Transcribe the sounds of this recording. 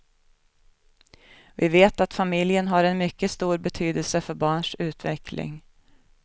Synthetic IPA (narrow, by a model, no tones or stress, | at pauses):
vɪveːt̪at̪famɪljənɦaɾɛnmʏkːəst̪uːɾbɛt̪ʰyːd̪əlsəfœɾbɑːɳʂʉ̟ːt̪vɛkʰlɪ̰ŋ